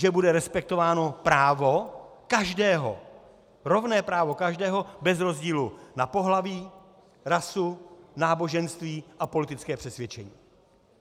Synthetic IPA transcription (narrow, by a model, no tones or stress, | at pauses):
ʒɛbudɛɾɛspɛk̚t̪o̞vaːno̞pɾaːvokaʒdɛːɦo̰ | ɾo̞vnɛːpɾaːvo̞kaʒdɛːɦo̞bɛzɾo̞zɟiːlunapo̞ɦlaviː | ɾasunaːbo̞ʒɛnst̪viːʔapo̞lɪt̪ɪt͡skɛːpr̥ɛsvjɛt͡ʃɛɲiː